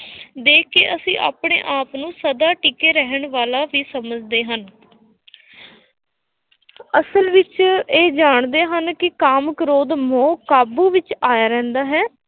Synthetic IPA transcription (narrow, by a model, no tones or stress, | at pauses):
d̪eːkʰːḛːʔəsĩːʔa̰ːpɳḛːʔaːpnũːsəd̪aːʈikeːɾəɦəɳʋaːlaːʋiːsəməd͡ʒd̪eːɦən | əsəlʋɪt͡ʃeːd͡ʒaːɳd̪eːɦənkɪkaːmkəɾoːd̪mõːkaːbuːʋɪt͡ʃaːjaːɾɛ̃ːnd̪aːɦɛː